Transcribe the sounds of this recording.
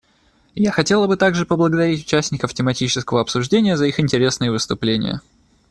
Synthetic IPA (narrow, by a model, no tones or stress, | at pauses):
jaxɐtʲe̞lˠəbɨt̪aɡʐɨpəblˠəɡəd̪ɐɾʲitʲʊ̥t͡ɕæsʲnʲɪkəftʲɪmɐtʲit͡ɕɪ̥skəvəɐpsʊʐdʲenʲɪjəzəixɪnʲtʲɪɾʲe̞snɨjəvɨst̪ʊplʲenʲɪ̰jə̰